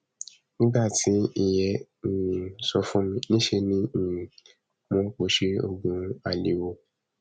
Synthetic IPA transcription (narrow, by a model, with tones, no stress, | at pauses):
nĩ˦ɡ͡ba˦˨tʰi˨˦i˧jɛ̃˧˨˦ | sɔ˧fũ˦mĩ˧˦nĩ˦ʃe˧nĩ˦˨ | mɔ̃˦k͡po˧˦ʃe˧˦o̰˧ɡ͡bũ˨ɾ̃a˦˨li˨˦wo˧